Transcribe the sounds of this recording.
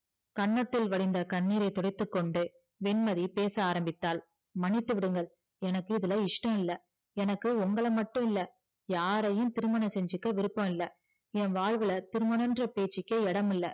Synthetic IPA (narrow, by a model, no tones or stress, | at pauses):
kɐɳːɐt̪ːɪlʋɐɽɪnd̪ɐkɐɳːiːɾɐɪt̪ɔɽɪt̪ːɯkːɔɳɖɯ | ʋɛnmɐðipeːsɐaːɾɐmbɪt̪ːaːl | mɐnɪt̪ːɯʋɪɽɯŋɡɐɭ | ɛnɐkːɯɪðɪlɐɪʂʈɐ̃mɪlːɐ | ɛnɐkːɯʊŋɡɐɭɐmɐʈːɯ̃mɪlːɐ | jaːɾɐjɯmt̪ɪɾɯmɐnɐsɛɲd͡ʒɯkːɐʋɪɾɯpːɐ̃mɪlːɐ | ɛnʋaːɻʋɯɭɐt̪ɪɾɯmɐnɐndrɐpeːt͡ʃːɪkːeɛɽɐmɪlːɐ